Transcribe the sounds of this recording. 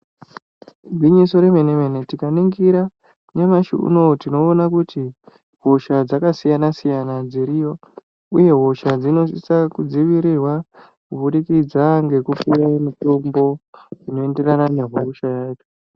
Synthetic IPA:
iɲiso̞ɾe̞me̞nemene̞tikaniŋɡiɾa | ne̞maʃḭṵno̞tino̞ːnakuti | ɦo̞ʃad͡zakasijanasijanad͡ziɾijo̞ | uje̞ɦo̞ʃad͡zino̞sisakud͡ziʋiɾirwa | kubuɗikid͡zaŋɡe̞kupiɾamito̞mbo̞d͡zino̞e̞nde̞ranane̞ɦoʃajaːt͡ʃo̥

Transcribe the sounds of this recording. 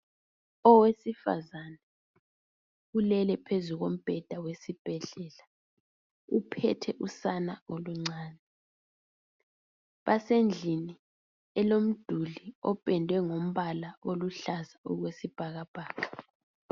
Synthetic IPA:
ɔwesifa̰zanɛ | ulɛlɛpʰezuɣom̩b̥ʱɛd̥ʱawesib̥ʱɛɮɛla | upʰɛ̰tʰɛʔusanaoluŋ͡ǀaːnɛ | βasend͡ɮʱini | ɛlom̩d̥ʱuliɔpʼɛndʱwɛŋom̩βalaʔoluɬazaɔɣwesib̥ʱaɣab̥ʱaːɣa

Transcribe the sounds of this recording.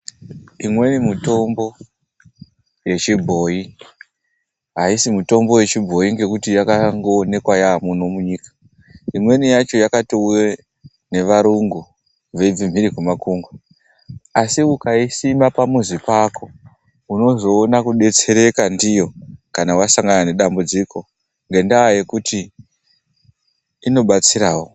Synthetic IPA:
imwe̞nimuto̞mbo̞ | je̞t͡ʃibʱo̞ji | ɦaisimuto̞mbo̞je̞t͡ʃibʱo̞iŋɡe̞kutijakaŋɡoːne̞kwajaːmunomuɲiːkḁ | imwe̞nijat͡ʃo̞jakatiuje | ne̞ʋaɾuŋɡu | ʋe̞ib͡vim̤iɾikumakuŋɡwa | asiukaisimapamuzipako̞ | uno̞zo̞ːnakuɗe̞t͡se̞ɾe̞kandijo̞kanawasaŋɡanane̞ɗambud͡ziko̞ | ŋɡe̞ndaaje̞kuti | no̞ɓat͡siɾaːwo

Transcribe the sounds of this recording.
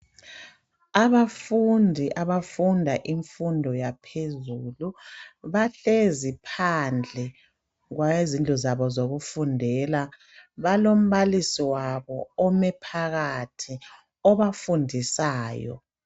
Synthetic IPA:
aβafundʱiʔaβafundʱaʔiɱfundʱɔjapʰezuluβaɬezipʰand͡ɮʱɛ | ɣwaezintʼɔzaβɔzoɣufundʱɛla | βalom̩βalisiwaβɔɔmɛpʰaɣatʰi | ɔβafundʱisaːjɔ̰

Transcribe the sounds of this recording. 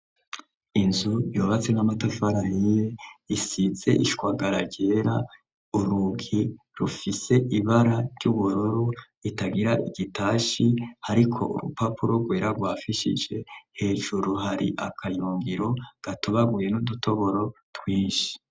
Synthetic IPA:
inzujoːβat͡se̞namatafaɾanijeisize̞ʔiʃkwaːɡaɾaɟe̞ːɾa | uɾuɡi | ɾufise̞ʔiβaɾaɾɟ̥uβuɾuɾu | itaɡiɾaʔiɡitaːʃihaɾikʰo̞̰ʔṵɾṵpapʰuɾoɡwe̞ːɾaɡwaːfiʃḭd͡ʒe̞he̞ːʒuɾuɦaɾḭʔakʰajuːŋɡiɾo̞ɡ̥atoβaɡuje̞nudutʰo̞βo̞ɾo̞twiːʃi̥

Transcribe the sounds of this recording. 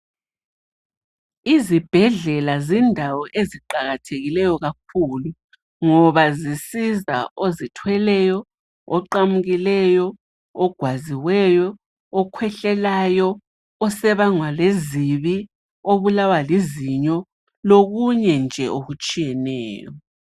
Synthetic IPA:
izib̥ʱɛɮɛlazindʱawɔʔeziǃaɣatʰeɣilɛjɔɣak̚ʰulu | ŋɔβazisiza̰ozitʰwɛlɛjɔ | ɔǃamuɣilɛjɔ | ɔɡ̥ʱwaziwɛjɔ | ɔkʰwɛɬɛlajɔ | ɔsɛβaŋwaleziβi | oβulawaliziɲɔ | loɣuɲɛnd͡ʒʱɛ̰ʔoɣut͡ʃʼijɛnɛ̰ːjɔ

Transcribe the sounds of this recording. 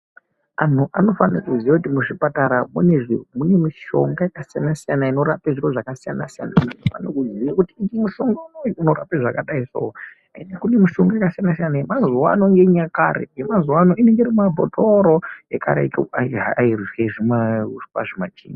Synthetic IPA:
an̤uʔano̞fanakuziwakutimuʂipataɾamuneʐimune̞miʃo̞̰ŋɡajakasijanasijanaino̞ɾapeʐiro̞ʐakasijanasija̰naunenofanakuziwakutiikimuʃo̞ŋɡanounora̰peʐakaɗaiso̰ɦo | ainakune̞miʃo̞ŋɡaekasijanasijanaemazuwa̰ːno̞ŋɡeɲakaɾḛjemazuwano̞ʔine̞ŋɡeirimabʱo̰tʰoɾo̞eka̰ɾḛkaaairieʐimapa̰ʐimat͡ʃḭːn

